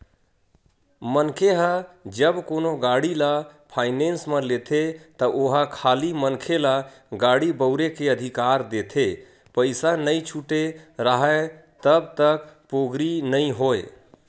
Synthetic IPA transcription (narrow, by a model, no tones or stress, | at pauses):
mənkʰeɦad͡ʒəbkonoɡaɽilapʰaɪnensmelet̪ʰet̪əʔoɦakʰalimənkʰela | ɡaɽibəʊɾekeəd̪ʱikaɾd̪et̪ʰe | pəɪsanəjt͡ʃʰuʈeɾəɦət̪əbt̪əkpoɡɾinəɪɦoe